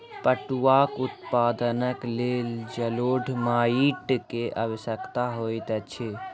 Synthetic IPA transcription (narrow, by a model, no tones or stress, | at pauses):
pəʈuwakʊt̪paːd̪ənəkleːld͡ʒəloːɖʱmaiʈkeʔəʋəsəkt̪aɦoːit̪ət͡ʃʰe